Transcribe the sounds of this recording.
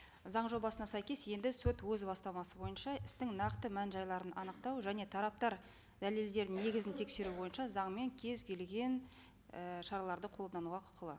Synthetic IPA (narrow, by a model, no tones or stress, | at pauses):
zɑɴʒo̞bɑsənɑsæjkʲe̞sje̞nd̪ɪsɵt̪wɵzbɑst̪ɑmɑsəbo̞jənʃɑɪst̪ɪŋnɑqt̪əmænʒɑjlˠɑɾənɑnəq̚t̪ɑwʒæne̞t̪ʰɑɾɑp̚t̪ɑɾ | d̪̥æle̞ld̪e̞ɾd̪ɪne̞ɡʲɪzɪnt̪ʰe̞kse̞ɾubo̞jənʃɑzɑɴme̞ŋkʲʰe̞zkʲʰe̞lɡʲe̞n | əʃɑɾɑlˠɑɾd̪əqʰo̞lˠd̪ɑnuʁɑqʰʊ̥qʰəlˠə